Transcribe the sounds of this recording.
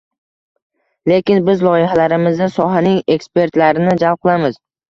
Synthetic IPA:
le̞kʲɪnbɪzlˠɒjɪhalaɾɪmɪzd̪asɒɦanɪŋe̞kspe̞ɾt̪laɾɪnɪd͡ʒal̚qʰɨlˠamɪz̥

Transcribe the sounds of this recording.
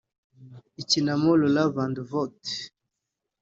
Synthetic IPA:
icinamololavanduvɔt

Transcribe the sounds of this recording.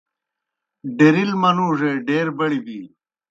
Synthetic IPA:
ɖeɾilmɐnuːʐeɖeːɾbɐɽibiː

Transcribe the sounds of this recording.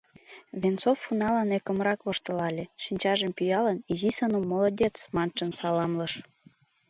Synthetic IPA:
βʲent͡sofːunɑlɑnekə̆mɾɑkβŏʃt̪ɤ̆lɑlʲĕʃinʲt͡ɕɑʒə̆mpyjɑlɤ̆nizisɑnumolod̪ʲet͡smɑnʃɤ̆nsɑlɑmlɤ̆ʃ

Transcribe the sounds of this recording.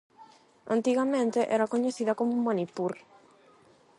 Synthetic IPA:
ã̰nt̪iɣamẽnt̪eʔɛɾakoɲeθiðakomummanipuɾ

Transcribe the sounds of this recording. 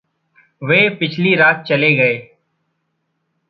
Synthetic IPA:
ʋeːpɪt͡ʃʰliːɾaːt̪̚t͡ʃəleːɡəeː

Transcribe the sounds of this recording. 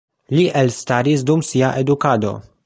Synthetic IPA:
liʔɛlst̪aɾisd̪umsiaʔed̪ukaːd̪o̞̰

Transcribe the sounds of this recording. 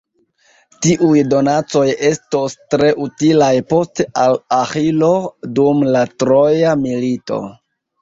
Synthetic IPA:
tiʔujdo̞nat͡so̞je̞stostɾe̞ʔutilajpo̞stealaxilo̞dumlatɾo̞jamilito̰

